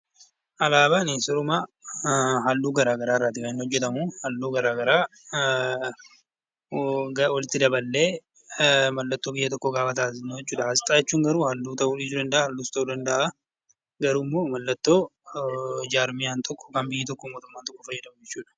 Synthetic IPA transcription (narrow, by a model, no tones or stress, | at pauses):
ʔɐlaːbaːneːnsɔɾʊmaː | ɦɐlːuːɡɐɾaːɡɐɾaːɪrːaːt̪ːɪkɐɪnːhɔd͡ʒːɛt̪ɐmuhɐlːuːɡɐɾaːɡɐɾaː | ɡwɐlɪt̪ːɪd̪ɐbɐlːeː | mɐlːɐt̪ːo̞ːbɪjːɐt̪ɔkːɔɡaːfɐt̪aːsɪnːɔt͡ʃːuːᶑɐhɐst̪ʼaːjɛt͡ʃːuːŋɡɐɾuːhɐlːuːt̪ɐʔuːlɪd͡ʒuːd̪ɐnd̪ɐʔaːhɐlːuːst̪ɐʔuːd̪ɐnd̪ɐʔa | ɡɐɾuːmːoːmɐlːɐt̪ːo̞ː | d͡ʒaːɾmɪjaːnt̪ʰɔkːɔ̥kɐmbɪjːiːt̪ɔkːomoːt̪ʊmːaːnt̪ɔkːɔfɐjːɛd̪ɐmɐd͡ʒɛt͡ʃːuːᶑɐ̥